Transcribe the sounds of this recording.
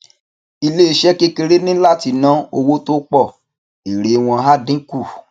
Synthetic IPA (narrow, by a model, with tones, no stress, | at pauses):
i˧le˦i˧ʃɛ˦ke˦ke˧ɾe˦nĩ˦la˦˨ti˧nã˦o˧wo˦to˦k͡pɔ˦˨ | i˨ɾe˨˦w̃ɔ̃˧ɦa˦dĩ˦ku˦˨